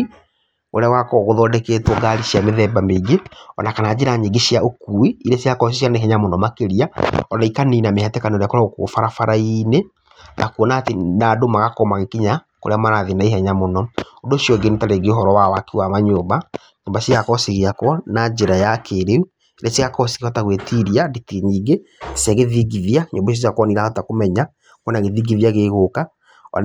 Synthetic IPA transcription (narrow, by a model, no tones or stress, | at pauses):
oɾeawakɔɣoðɔdɛkeːtwɔɡaɾiʃiameðɛbameɡeɔ̰nakanad͡ʒeɾaɲeɡeʃiaokuːiiɾesiakɔs̬iʃianeɦɛɲamonɔmakeɾiaɔnaikaniːnamehɛtɛkaneɾeakɔɾaokofaɾafaɾaine | nʔa̰kuɔnaːtenadomaɣakɔmaɣekiɲa | ko̰ɾeamaɾaðenaiɦɛɲamonɔondoʃiɔɡenetaɾeɡeoɦɔɾɔwawakewamaɲoːmba | ɲoːmbaʃiɣakɔsiɣiakɔnad͡ʒeɾajakeɾeu | ɾɛsiɣakɔsi̥ɣiɔtaɣwetiɾiaditiɲiːɡesɛɣeðiɡiðiaɲoːbaɔsiakwɔniɾaatakomɛɲa | kwɔnaɣeðiɡiðiaɣeɣoka | ɔ̰